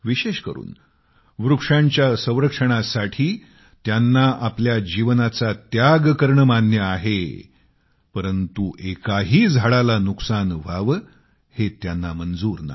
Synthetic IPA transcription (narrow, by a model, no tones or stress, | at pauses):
ʋiɕeɕkəɾṵːn | ʋɾukʂãɲt͡ɕjasə̃w̃ɾəkʂəɳ̃asaʈʰiː | t̪janːaʔapljad͡ʑiʋnat͡sat̪jaɡkəɾɳəmanjəaɦe | pəɾənt̪uʔekaɦiːd͡zʱaɭalanuksanʋ̤aʋ | het̪janːamənd͡zuːɾna̰